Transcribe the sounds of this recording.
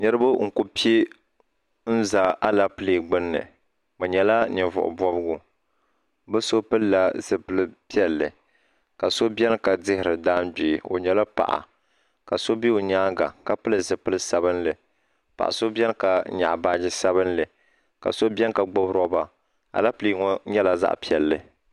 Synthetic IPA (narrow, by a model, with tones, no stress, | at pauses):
ɲɛ˦ɾɨ˦bʊ˦ŋ̩˨ku˦pi˦e˦ | n̩˦za˨a˦la˦pɨ˦li˨ɡ͡bɨ˦nːɨ̰˨ | mɨ˨ɲɛ˨la˦nɪ˨vʊ̰˨ʔʊ̰˨bɔ˦bɨ˦ɡʊ˦ | bɨ˦so˦pɨ˦lla˨zɨ˨pɨ˦lɨ˦pi˦ɛ˦lːɨ˨ | ka˨so˦bʲɛ˦n˦ka˨dɪ˦hɪ˨ɾɨ˨daː˦nbi˨o̰˨ɲɛ˦la˦pa̰˨ʔa̰˨ | ka˨so˦bi˦o˨ɲaː˦ɡa˨ka˨pɨ˦lɨ˨zɨ˨pɨ˦lɨ˦sa˦bɨ˦nlɨ˨ | pa̰˨ʔa̰˨so˦bɛ˦nka˨ɲa̰˨ʔbaː˦d͡ʒɪ˦sa˦βɨ˦nlɨ˨ | ka̰˨so˦bɛ˦n˦ka˨ɡ͡bɔ˦bɾɔ˦ba˨ | a̰˨la˦pli˦ŋɔ˦ɲɛ˦la˨za̰˦ʔpi˦ɛ˨lːɨ˨